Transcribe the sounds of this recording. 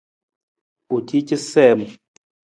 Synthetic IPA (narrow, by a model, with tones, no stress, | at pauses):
u˨tʰi˦t͡ʃi˦sɛ˦˨m˨